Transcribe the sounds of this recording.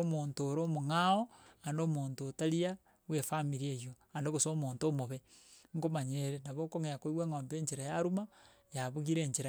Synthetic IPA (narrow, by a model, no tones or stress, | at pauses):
omontoːɾomoŋaoandomoːntotaɾia | wefamiɾiejo | andokosomontomoβeŋkomaɲeɾenaβokoŋejakoiweːŋoːmbeːɲd͡ʒeɾajaɾuma | jaβuɣiɾeːɲd͡ʒeɾa